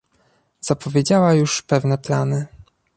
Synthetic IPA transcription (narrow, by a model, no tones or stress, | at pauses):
z̥apɔvʲjed͡ʑawajuʂpɛvn̪ɛplanɘ